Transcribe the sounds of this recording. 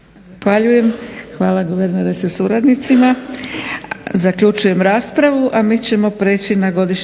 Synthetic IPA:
xʋaʎuje̞mxʋaːlaɡoʋeɾneɾesasuɾad̪nit̪sima | zakʎut͡ʃuje̞mɾaːspɾaʋuʔamiːt͡ɕe̞mo̞pɾeːt͡ɕinaɡo̞d̪iʃ

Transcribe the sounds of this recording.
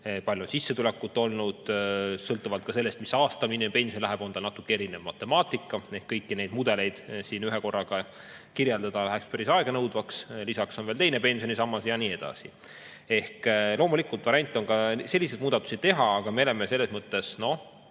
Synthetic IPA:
pɑljuonsisːet̪ulekːˑut̪ːˑo̞lnud̪̥sɤlt̪ːˑuvɑlt̪̚kɑse̞lːe̞st̪misɑːst̪ɑminːempe̞nsionlæɦɛb̥o̞nd̪ɑnɑt̪ːˑukːee̞ɾinevmɑt̪ːˑe̞mɑːt̪ˑikːˑɑe̞hkːɤjkːine̞jd̪mud̪̥e̞le̞jd̪̥siːnyɦeko̞rːɑɡ̥ɑ | kiɾjeld̪̥ɑd̪̥ɑlæɦɛkspæɾisɑeɡ̥ɑnɤwd̪vɑkslisɑkso̞nveːlt̪ejnepe̞nsio̞nisɑmːɑsjɑniːe̞d̪̥ɑ̰sḭ | e̞hklo̞ːmulikult̪vɑɾiɑnʲt̪ˑːo̞nkɑse̞lʲːise̞d̪muːd̪ɑt̪ːusi̥t̪e̞ɦɑːɡ̥ɑmeolemese̞lːe̞smɤt̪ːe̞sno̞h

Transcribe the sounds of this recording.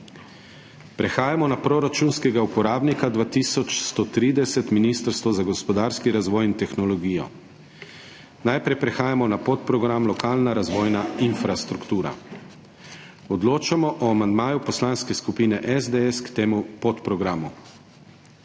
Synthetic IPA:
pɾɛxaːjamɔnapɾoɾat͡ʃunskɛɡaupɔɾaːbnikad̪ʋaːt̪iːsɔt͡ʃst̪ɔt̪ɾiːd̪ɛsɛt̪minist̪əɾst̪ʋɔzaɡɔspɔd̪aːɾskiɾazʋɔːjint̪ɛxnɔlɔɡiːjɔ̰ | najpɾɛjpɾɛxaːjamɔnapot̪̚pɾɔɡɾamlɔkaːlnaɾazʋɔːjnainfɾast̪ɾukt̪uːɾa̰ | ɔd̪loːt͡ʃamɔʔɔamand̪maːjupɔslanskɛskupiːnɛʔɛzd̪eɛskt̪eːmupɔt̪pɾɔɡɾaːmu

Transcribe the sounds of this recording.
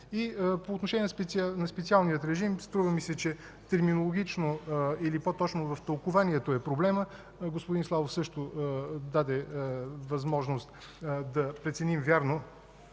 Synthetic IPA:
ipoːt̪noʃɛnʲjɛnspɛnɐspɛt̪sialˠnijət̪ɾɛʒimst̪ɾuvəmisɛt͡ʃɛ | t̪ɛɾminolˠoɡʲit͡ʃnoilipot̪ɔt͡ʃnovɐft̪əlˠkʊvaniɛt̪oɛpɾoblɛmə | ɡospʊd̪inslˠavofsɤʃt̪od̪ad̪ɛvɐzmɔʒnost̪ | d̪ɐpɾɛt̪sɛnimvʲjaɾno

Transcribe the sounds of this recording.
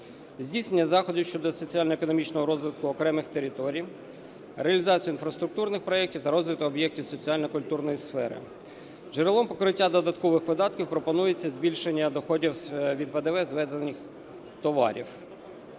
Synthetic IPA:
zʲdʲisnenʲːɐzɑxɔdʲiwʃt͡ʃɔd̪ɔsɔt͡sʲiɑlʲnɔekɔnɔmʲit͡ʃnɔɦɔɾɔzʋɪt̪̚kʊɔkɾɛmɪxt̪eɾʲɪt̪ɔɾʲij | ɾeɐlʲizɑt͡sʲijʊinfɾɐst̪ɾʊk̚t̪urnɪxpɾɔjɛk̚tʲiwt̪ɐɾɔzʋɪt̪ʊɔbjɛk̚tʲiwsɔt͡sʲiɑlʲnɔkʊlʲt̪urnɔjisfɛ̰ɾɪ̰ | ʒeɾelˠɔmpɔkɾɪtʲːad̪ɔd̪ɐt̪kɔʋɪxʋɪd̪ɑt̪kʲiwpɾɔpɔnujet͡sʲːɐzʲbʲilʲʃenʲːɐd̪ɔxɔdʲiwsʋʲid̪ped̪eʋɛzʋɛzenʲɪx | t̪ɔʋɑ̰ɾʲḭw

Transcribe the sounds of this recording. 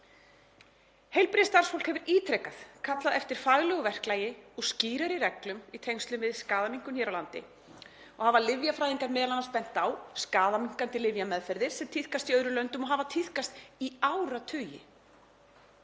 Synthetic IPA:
hejlpɾɪðɪst̪ar̥sfowlkhɛvɪɾiːt̪ʰɾɛkaθkʰat̪laðɛft̪ɪɾ̥fajɣlʏɣɔvɛr̥klaːjɪɔɣsciːɾaɾirɛklʏmit̪ʰejŋst̪lʏmvɪðskaːðamiŋ̥kʏmçɛːɾawlant̪ɪ̰ | ɔɣhavalɪvjafɾajðiŋkaɾmɛːðalanaɾspɛn̥t̪awskaːðamiŋ̥kant̪ɪlɪvjamɛðfɛɾðɪɾ̥sɛmt̪ʰiθkast̪iœɥɾʏlœnt̪ʏmɔɦavat̪ʰiθkast̪iawɾat̪ʰʏːjɪ̰

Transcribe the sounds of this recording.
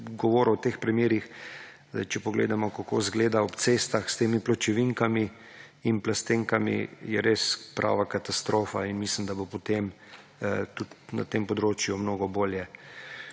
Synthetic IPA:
ɡɔʋoːɾɔwt̪eːxpɾɛmjeːɾix | ɛ̰t͡ʃɛpɔɡlḛːd̪amɔkako̰ːzɡleːd̪aɔpt̪sest̪axst̪eːmiplɔt͡ʃɛʋiŋkami | inplast̪eːŋkamḭjɛɾespɾʔa̰ʋakat̪ast̪ɾoːfainmislimd̪abopɔt̪em | t̪ut̪na̰t̪empɔd̪ɾoːt͡ʃjumnoːɡɔboːljɛ

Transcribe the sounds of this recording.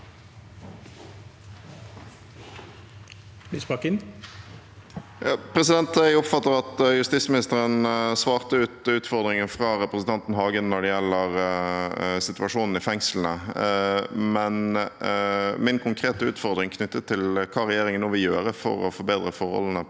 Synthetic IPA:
lisbɑkɪn | jɑːpʰɾɛsɪd̪ɛnt̪æɡʊpfɑt̪ːəɾɑt̪jʉst̪ɪːsmɪnɪst̪əɾənsʋɑːʁt̪əʉːt̪ʉːt̪fɔʁd̪ɾɪŋənfʁɑːɾɛpɾəsn̩t̪ʰɑnt̪n̩ɦɑːɡənnɔɖɛjɛlːəʁ | sɪt̪ʉɑʂuːnn̩ɪfɛŋsln̩ə̰ | mɛn | mɪnkʰʊŋkʰʁeːt̪əʉːt̪fɔʁd̪ʁɪŋkʰnʏt̪ːət̪ʰːɪlkʰɑːɾɛjeːɾɪŋənnuːʋɪjøːɾəfɔ̰ɾɔfɔɾbeːd̪ʁəfɔɾhɔ̰ln̩ə

